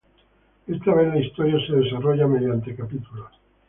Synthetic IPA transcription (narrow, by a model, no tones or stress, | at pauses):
est̪aβenlaist̪oɾjaseðesaroʝameðjant̪ekapit̪ulo